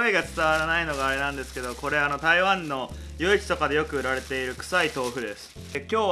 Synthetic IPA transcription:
eɡat͡sɨ̥t̪aβaɾanaino̞ɡaːɾe̞nãnd̪e̞sɨ̥ke̞d̪o̞ko̞ɾe̞ano̞t̪aiβãnːo̞ | joit͡ɕi̥t̪o̞kad̪e̞jo̞kɯ̟ɯ̟ɾaɾe̞t̪e̞iɾɯ̟kɯ̟̥sait̪o̞ːɸɯ̟d̪e̞sɨ̥ | kʲo̞ː

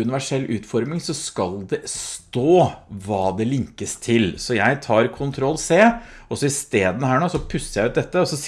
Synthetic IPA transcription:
ʉnɪʋæʂɛlːʔʉːt̪fɔɾmɪŋsɔskɑld̪ɛst̪oːʋɑːd̪ɛlɪŋkəst̪ʰɪlsɔjæɪt̪ʰɑːɾkʰʊnt̪ʰɾɔlːseːɔsɔɪst̪eːd̪ənəhæːɳoːsɔpʰʉsːəjæɪʉːt̪̚d̪ɛt̪ːəɔsɔs

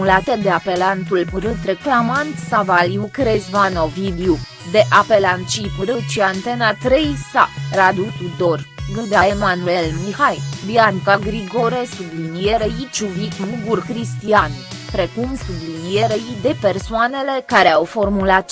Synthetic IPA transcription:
mulat̪ed̪e̞ape̞lant̪ulpɨɾɨt̪ɾe̞klamant̪savaljukɾezvanovid̪eu | d̪e̞ʔape̞lant̪̚t͡ʃipɨɾɨt̪t͡ʃiant̪e̞nat̪ɾejsarad̪ut̪ud̪orɡɨd̪eaemanuelmihajbiaŋkaɡɾiɡo̞ɾesublinijeɾeit͡ʃuvikuɡurkɾist̪ian | pɾe̞kumsublinijeɾeid̪e̞persoane̞le̞kaɾeawfo̞rmulat̪

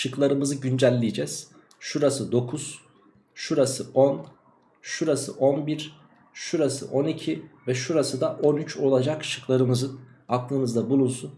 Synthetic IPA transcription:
ʃɯklˠaɾɯmɯzɯɟynd͡ʒælʲːijd͡ʒɛz̥ | ʃuɾasɯd̪o̞kʰuz̥ | ʃuɾasɯon | ʃuɾasɯ̰ʔo̞nbiɾ | ʃuɾasɯ̰ʔo̞nicʰivɛʃuɾasɯd̪aʔo̞nyt͡ʃo̞lˠad͡ʒakʃɯ̥klˠaɾɯmɯzɯn | aklˠɯmɯzd̪abulˠunsun

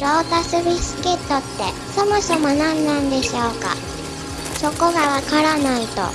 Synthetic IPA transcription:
ɾo̞ːt̪asɨbisɨ̥ket̪ːo̞t̪ːe̞ | so̞moso̞mo̞nãnːãnd̪e̞ɕo̞ːka̰ | ɕo̞ko̞ɡaβakaɾanait̪o̞̰

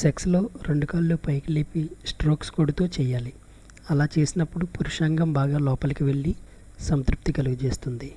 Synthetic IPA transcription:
sekslo̞ːɾe̞ɳɖukaːɽloːpɐjkileːpisʈɾo̞ːkskoːɽut̪oːt͡ʃɛːjːaːli | ɐlaːt͡ʃe̞ːsinɐpːuɽupuɾuʂaːŋɡɐmbaːɡaːlɔːpɐlɐkiʋe̞ɭːi | sɐmt̪ɾup̚t̪ikɐluɡut͡ʃe̞ːst̪und̪i

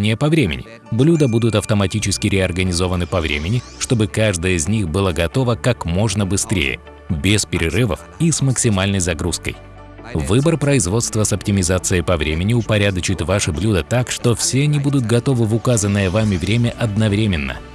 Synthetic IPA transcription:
nʲɪjəpɐvɾʲemʲɪ̰nʲɪ̰ | blʲud̪əbud̪ʊt̪ɐft̪əmɐtʲit͡ɕɪskʲɪɾʲɪɐrɡənʲɪzo̞vənɨpɐvɾʲḛmʲɪnʲɪ | ʂt̪o̞bɨkaʐd̪əjəɪzʲnʲixbɨlˠəɡɐt̪o̞vəkakmo̞ʐnəbɨst̪ɾʲḛjə̰ | bʲɪspʲɪɾʲɪrɨvə̰f | isməksʲɪmalʲnəjzɐɡɾuskə̰j | vɨbərpɾəɪzvo̞t̪st̪vəsɐptʲɪmʲɪzat̪sɨjəpɐvɾʲemʲɪnʲɪʊpɐɾʲad̪ət͡ɕɪt̪vaʂɨblʲud̪ət̪akʂt̪o̞fsʲenʲɪbud̪ʊt̪̚ɡɐt̪o̞vɨvʊkazənːɨjəvamʲɪvɾʲemʲəʔɐd̪nɐvɾʲemʲɪnːə̰

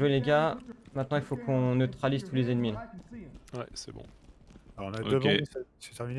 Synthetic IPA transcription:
ʒweleɡʲamɛ̃t̪nɑ̃ilfokʰɔ̃nøt̪χalizt̪ulezenmilã | wɛ̰sɛ̰bɔ̰̃ | ɔ̃naod̪əm̃esse̥t̪ɛʁmine

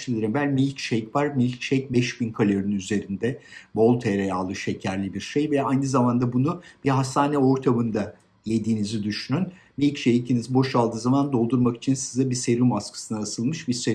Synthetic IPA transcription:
ʃʲiɾimbælʲmilʲcʃejcvaɾmilʲcʃejc̚bɛʃbinkʰalʲeɾinyze̞ɾind̪ɛbo̞lˠt̪ʰeɾɛjalˠːɯʃe̞cʰæɾlʲibiɾʃejvɛajnɯzamand̪abunub̥iɦast̪aːnɛo̞ɾt̪ʰamɯnd̪a | je̞d̪iːnizid̪yʃynyn | milʲcʃejicʰinizbo̞ʃalˠd̪ɯːzamand̪o̞lˠd̪uɾmaki̥t͡ʃʰinsizabise̞ɾymaskʰɯ̥sɯnaasɯlˠmɯʃbise

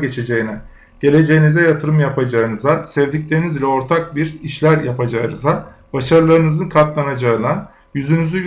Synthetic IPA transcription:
ɟe̞t͡ʃʰe̞d͡ʒe̞jinɛ | ɟ̥e̞lʲe̞d͡ʒe̞jinizɛjat̪ʰɯɾɯmjapʰad͡ʒaɯnɯzasɛvd̪iclʲe̞ɾinizlʲɛo̞ɾt̪ʰak̚biɾiʃlʲæɾjapad͡ʒaɯnɯza | baʃaɾɯlˠaɾɯnɯzɯnkʰat̪lˠanad͡ʒaɯna | jyzynyzy

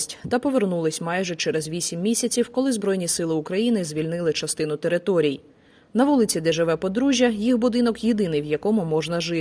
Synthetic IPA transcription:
tʲt̪ɐpɔʋernulˠɪsʲmɑjʒɛt͡ʃɛɾɛzʋʲisʲimːʲisʲɐt͡sʲiwkɔlˠɪzbɾɔjnʲisɪlˠɪʊkɾɐjinɪzʲʋʲilʲnɪlˠɪt͡ʃɐst̪ɪnʊt̪eɾɪt̪ɔɾʲiji | nɐʋulˠɪt͡sʲid̪ɛʒɪʋɛpɔd̪ɾuʒʲjɐjiɦbʊd̪ɪnɔkjid̪ɪnɪjwjɐkɔmʊmɔʒnɐʒɪ

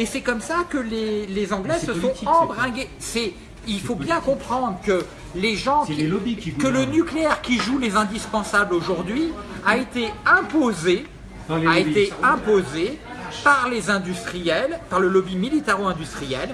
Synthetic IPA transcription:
esɛkɔmsakəlelezɑ̃ɡlɛssəsɔ̃ɑ̃bʁɛ̃ɡʲesɛ | ilfobjɛ̃kɔ̃pχɑ̃d̪ʁəkə | leʒɑ̃ikələnykleɛʁkʲiʒulezɛ̃d̪ispɑ̃sabloʒuʁd̪ɥiaet̪eɛ̃poze | aeeɛ̃pozepaʁlezɛ̃d̪yst̪χijɛlpaʁləlɔbimilit̪ɛʁoɛ̃d̪yst̪χijɛl

